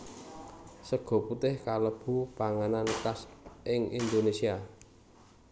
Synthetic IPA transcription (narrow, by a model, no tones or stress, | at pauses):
səɡ̥ɔ̤put̪ɪhkaləb̥ṳpaŋanankasʔɪŋind̪onesia